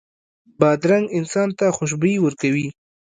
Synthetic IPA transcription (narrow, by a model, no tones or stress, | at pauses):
bɑd̪ɾaŋɡɪnsɑnt̪axʊʃ̬bəjwəɾkawi